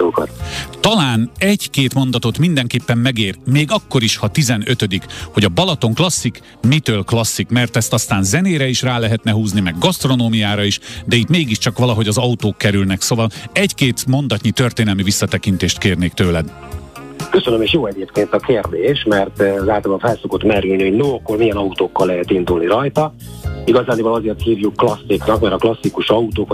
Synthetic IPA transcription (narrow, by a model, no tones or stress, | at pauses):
oːko̰t̪t̪ɒlaːnɛɟkeːt̪mo̞n̪d̪ɒt̪o̞t̪mind̪ɛŋkeːpːɛmːɛɡeːrmeːɡɒkːo̞ɾiʃhɒt̪izɛnø̞t̪ød̪ikho̞ɟɒbɒlɒt̪o̞ŋklɒsːik | mit̪øːlklɒsːikmɛrt̪ɛst̪ɒst̪aːnzɛneːɾɛiʃraːlɛɦɛt̪nɛɦuːznimɛɡːɒst̪ro̞noːmijaːɾɒiʃd̪ɛit̪meːɡiʃt͡ʃɒkʋɒlɒɦo̞ɟɒzɒut̪oːkːɛɾylnɛksoːvɒlɛckeːt̪mo̞nd̪ɒc̪ɲit̪ø̞rt̪eːnɛlmivisːɒt̪ɛkint̪eːʃt̪keːrneːkt̪øːlɛd̪ | køsønømeːʃjoːɛɟeːpkeːnt̪ɒkeːrd̪eːʃmɛrt̪zaːt̪obofɛlso̞ko̞t̪mɛɾylniho̞ɟnoːɒkːormijɛnɒut̪oːkːɒlːɛɦɛt̪ind̪ulniɾɒjt̪ɒiɡɒzaːnibɒlɒzeːrt̪hiːvjukːlɒsːiknɒkmɛɾɒklɒsːikuʃɒut̪oːk